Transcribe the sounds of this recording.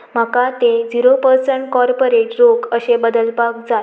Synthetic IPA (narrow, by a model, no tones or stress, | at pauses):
m̤akat̪ed͡ziɾopəɾsəɳʈkɔɾpoɾeʈɾokəɕebəd̪əlpak̚d͡za